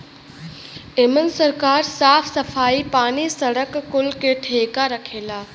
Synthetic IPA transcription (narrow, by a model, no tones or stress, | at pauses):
ɪmənsəɾkaːɾsaːpʰsəpʰaːipaːnisəɽəkːʊlkeʈʰeːkaɾəkʰeːlaː